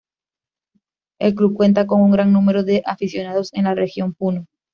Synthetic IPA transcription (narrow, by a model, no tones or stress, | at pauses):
e̞lklukwe̞nt̪ako̞ŋuŋɡɾaŋnũme̞ɾoðe̞ʔafisjo̞naðo̞se̞nlare̞xjo̞mpuno